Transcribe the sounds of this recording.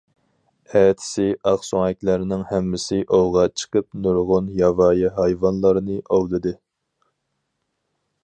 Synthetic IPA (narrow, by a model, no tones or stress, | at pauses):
ɛːt̪ʰɪ̥sɪʔɑχsoŋɛk̚ʲlæɾɪnɪŋhæmːɪsɪʔowʁɑt͡ʃʰə̥qʰəp̚nuɾʁʊnjɑvɑːjiɦɑjvɑnlˠɑɾɨnɨʔowlˠɨd̪ɨ